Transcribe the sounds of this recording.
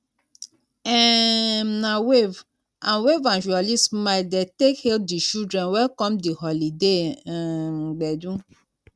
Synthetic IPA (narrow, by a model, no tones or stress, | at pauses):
ɛmnawev | ãnwevãnʒualismadetekhɛl̚dit͡ʃudɹɛ̃nwɛkɔ̃mdihɔlide | ɡ͡bɛdũ